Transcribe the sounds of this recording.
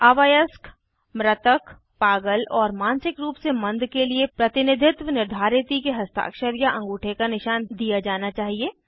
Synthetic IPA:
aːʋajəsk | mɾət̪ək | paːɡəlɔːɾmãːnsɪkɾuːpsemɐ̃nd̪ʱkeliepɾɐt̪ɪnɪd̪ʱɪt̪ʋənɪɾd̪ʱaːɾɪt̪ikeɦɐst̪a̰ːkʃəɾjaʔɐ̃ŋɡuːʈʰekanɪʃaːnd̪ijad͡ʒaːnat͡ʃaːɦieː

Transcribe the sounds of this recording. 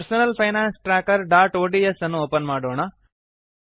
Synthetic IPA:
ɾsonɐlpʰɐjnaːnsʈɾaːkɐɾɖaːʈoːɖiesɐnːuoːpɐnmaːɽoːɳ̃a

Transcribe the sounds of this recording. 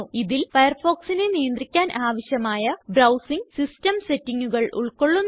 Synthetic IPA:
iðilfɐjɐrfo̞ːksinenijɐnd̪rikʲːaːnʔaːʋɐɕjɐmaːjɐbrɐwsiŋɡsistɐmse̞tːiŋːuɣɐɭṵɭko̞ɭːunː

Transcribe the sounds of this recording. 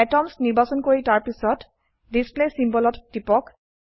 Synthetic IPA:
ɛtɔmsniɹbasɔnkoɹitaɹpisɔt | displesimbɔlɔtd̥ipɔk

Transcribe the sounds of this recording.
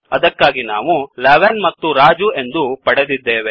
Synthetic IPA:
ɐd̪ɐkːaːɡina̰ːʋulɐʋenmɐt̪ːuɾaːd͡ʒue̞nd̪upɐɽed̪id̪ːeːʋe̞

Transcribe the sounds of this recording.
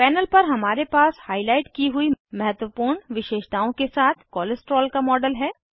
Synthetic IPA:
pɛːnəlpɐɾɦɐmaːɾepaːshaːɪlaːɪʈkiɦʊimɐɦət̪wəpuːɾɳʋɪʃeːʃt̪aːõkesaːt̪ʰkɔːləsʈɾɔːlkamɔːɖəlɦɛː

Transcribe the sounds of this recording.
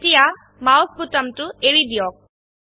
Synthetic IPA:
tija | mawsbʱutɔmtʊeɹid̪ijɔk̚

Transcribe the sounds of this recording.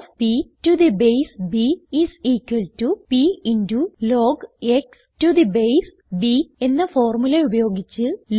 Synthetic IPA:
pitud̪ibejsbiisiːkwɐltupiinduloːɡeks | tud̪ibejs | bie̞nːɐfoːrmuleubɐjo̞ːɡit͡ɕːɨl

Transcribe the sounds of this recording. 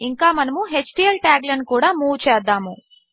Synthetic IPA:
iŋkaːmɐnɐmuɦet͡ʃʈiɐlʈaːɡlɐnkuːɽaːmuːwut͡ʃɛːd̪ːaːmu

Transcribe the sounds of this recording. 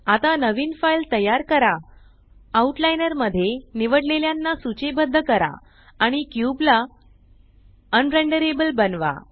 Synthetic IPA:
at̪anəʋiːnfailt̪əjaɾkəɾa | auʈlajnəɾməd̪ʱːjeniʋəɽleljanːasut͡ɕebəd̪ʱːəkəɾa̰ | aɽ̃ikjubla | ənɾəɳɖəɾebəlbənʋa̰

